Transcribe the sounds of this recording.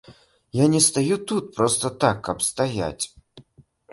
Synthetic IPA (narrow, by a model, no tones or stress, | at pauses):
janʲɛst̪ajut̪ut̪̚pɾɔst̪ɐt̪akʰːɐpst̪aja̰t͡sʲ